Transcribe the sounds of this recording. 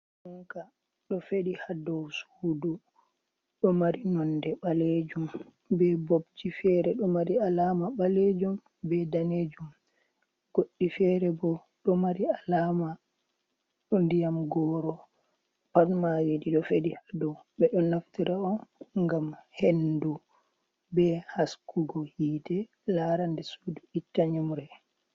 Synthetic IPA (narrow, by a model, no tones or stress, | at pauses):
uŋka | ɗɔfeɗihadɔwsuːdu | ɗɔmaɾinɔndɛɓaled͡ʒum | bɛbobd͡ʒifɛɾɛɗɔmaɾialamaɓaled͡ʒum | bɛdaned͡ʒum | ɡ̥oɗːifɛɾɛbɔ | ɗɔmaɾialama | ɗundijamɡɔːɾɔ | patmawediɗɔfedihadɔwɓɛɗɔnaftiɾaɔnŋɡamhendu | bɛhaskuɡɔhiːtɛ | laɾandɛsuduitːaɲumɾɛ